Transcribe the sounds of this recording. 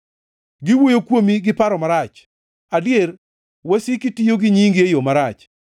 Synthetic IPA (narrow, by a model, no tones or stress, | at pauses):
ɡɪwojokwomiɡɪpaɾɔmaɾat͡ʃ | adɪer | wɛsɪkɪtijoɡɪɲiŋɡejomaɾat͡ʃ